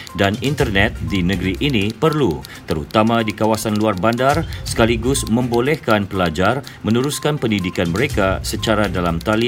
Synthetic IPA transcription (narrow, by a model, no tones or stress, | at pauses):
danint̪ərnɛt̪̚dinəɡɾiʔinipərlu | t̪əɾut̪amadikawasanluarbandarsə̥kaliɡʊsməmbolɛhkanpəlad͡ʒarmənuɾuskanpəndidikanməɾekasət͡ʃaɾadalamt̪ali